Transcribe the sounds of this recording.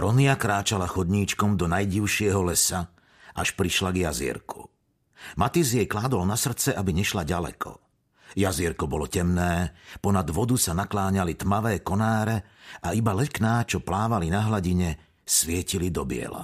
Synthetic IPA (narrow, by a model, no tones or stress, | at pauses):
ɾɔniakɾaːt͡ʃalaxɔd̪ɲiːt͡ʃkɔmd̪ɔnajɟiʊʃɪɛɦɔlɛsa | ʔaʃpɾiʃlaɡjazḭɛ̰ɾku̥ | mat̪izjɛjklaːd̪ɔlnasr̩t͡sɛʔabiɲɛʃlaɟalɛ̰kʰɔ̰ | jaziɾkɔbɔlɔcɛmnɛːpɔnad̪ʋɔd̪usanaklaːɲalit̪maʋɛːkɔnaːɾɛ | aibalɛknaːt͡ʃɔplaːʋalinaɦlaɟiɲɛ | sʋɪɛcilid̪ɔbɪɛ̰la̰